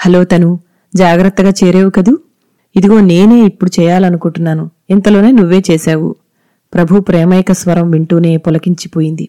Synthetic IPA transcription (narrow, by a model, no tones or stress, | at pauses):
hɐlo̞ːt̪ɐnu | d͡ʒaːɡɾɐt̪ːɐɡaːt͡ʃeːɾeːʋukɐd̪u | id̪iɡo̞ːne̞ːne̞ːipːuɽut͡ʃɛːjaːlɐnukuɳʈunːaːnuɛnt̪ɐlo̞ːne̞ːnuʋːe̞ːt͡ʃeːʃaːwṵ | pɾɐbʱupɾɛːmɐjkɐsʋɐɾɐmʋiɳʈuːne̞ːpɔlɐkiɲt͡ʃi̥po̞ːjind̪i